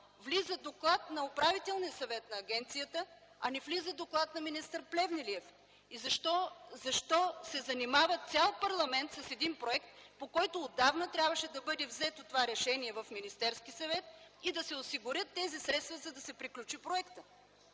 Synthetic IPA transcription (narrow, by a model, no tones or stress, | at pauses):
vlizəd̪oklˠat̪nɐopɾavit̪ɛlˠnijəsɐvɛt̪nɐːɡɛnt̪sijət̪ə | ɐnɛvlizəd̪oklˠat̪nɐminist̪əɾplɛvniliɛf | izɐʃt̪ɔzɐʃt̪ɔsɛzɐnimavət̪sʲalˠpɐɾlˠɐmɛnt̪sɐsɛd̪inpɾoɛkt̪̚pokɔjt̪oːd̪avnət̪ɾʲabvəʃɛd̪ɐbɤd̪ɛvzɛt̪ot̪ovaɾɛʃɛniɛvɐfminist̪ɛɾskisɐvɛt̪̚id̪ɐsɛʊsiɡʊɾʲjət̪ːɛzisɾɛt̪st̪vəzɐd̪ɐsɛpɾiklʲut͡ʃipɾoɛkt̪ə